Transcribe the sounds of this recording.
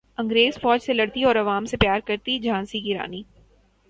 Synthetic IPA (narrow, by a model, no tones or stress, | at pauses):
ɐ̃ŋɡɾeːzfɔːd͡ʒselɐɽt̪iɔːɾɐʋaːmsepjaːɾkɐɾt̪id͡ʒʱãːnsiɡɪɾa̰ːniː